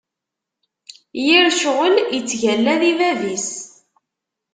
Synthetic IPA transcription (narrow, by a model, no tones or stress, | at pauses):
jiɾʃʁəlit͡sːʝælːæðivævis